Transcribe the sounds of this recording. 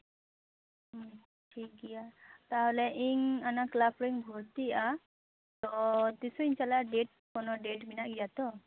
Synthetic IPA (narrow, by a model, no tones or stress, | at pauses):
ʈʰik̚ɡijat̪aɦɔlɛʔiŋanaklapʰɾiŋbʱɔɾt̪ia | t̪ɔt̪isɔiɲt͡ʃalaɖeʈ̚ | kɔnɔɖeʈbinaʔɡijat̪ɔ